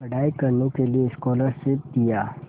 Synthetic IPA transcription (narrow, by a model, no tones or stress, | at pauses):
ɐɽaːikɐɾnokelieɪskɔːləɾset̪ijaː